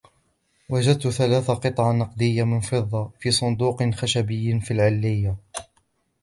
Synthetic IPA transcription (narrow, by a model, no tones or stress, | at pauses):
wad͡ʒad̪̚t̪ʊθalaːθaqɨt̪ˤʕɑnɑqd̪ɪjːamɪnfɨðˤːɑfiːsˤʊnd̪uːqxaʃabɪjːfilʕɪlːɪjːa